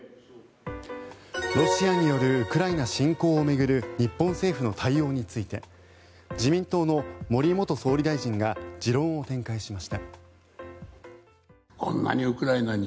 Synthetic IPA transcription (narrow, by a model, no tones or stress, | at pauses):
ɾo̞ɕiaɲ̟ijo̞ɾɯ̟ɯ̟kɯ̟ɾainaɕĩŋko̞ːme̞ɡɯ̟ɾɯ̟ɲ̟ipːõ̞ɰ̃se̞ːɸɯno̞t̪ʰaijo̞ːɲ̟it͡sɨit̪e̞ | d͡ʑimʲĩnt̪o̞ːno̞mo̞ɾʲimo̞t̪o̞so̞ːɾʲid̪aiʑĩŋɡad͡ʑiɾõ̞ɰ̃o̞t̪ẽ̞ŋkaiɕimaɕi̥t̪a | kõ̰nːa̰ɲiɯkɯ̟ɾainaɲʲi